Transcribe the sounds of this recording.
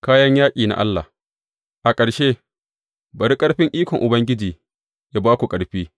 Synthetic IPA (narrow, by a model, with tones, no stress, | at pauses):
kaː˦jɐ˦ɲjaː˦kʲʼiː˨na̰˨ʔa̰˦lːa̰˨ | ʔa˨kʼɐ˨ɽʃeː˦ | bɐ˨ɾi˦kʼɐ˦ɽɸɪ˦ŋʔiː˦kʷɔ˨ŋʔʊ˨bɐ˦ŋɡʲɪ˦d͡ʒiː˨ | jaː˦baː˦kʷu˨kʼɐ˨ɽɸiː˦